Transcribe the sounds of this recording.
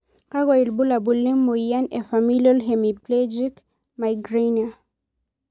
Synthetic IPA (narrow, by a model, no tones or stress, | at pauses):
kaɡwailbulabulːemojanɛfamiliɔlɦɛmiplɛd͡ʒik | majɡɹena